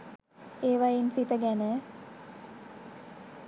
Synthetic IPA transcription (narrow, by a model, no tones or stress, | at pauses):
eːʋajensit̪əɡænə